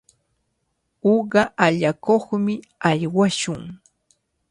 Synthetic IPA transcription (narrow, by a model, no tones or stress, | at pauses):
oɢɑʔaʎakoχmɪ | ajwaʃʊŋ